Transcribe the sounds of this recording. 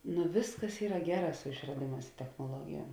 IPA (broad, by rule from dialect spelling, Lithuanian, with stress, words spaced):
nʊ ˈʋʲɪsˌkɐs ˈiːrɐ ˈɡʲæːˌrɑː sʊ ɪʃrɐˈdʲeːˌmɑːs ɪ tʲɛxnoːˈlˠuɔɡʲɪjuɔm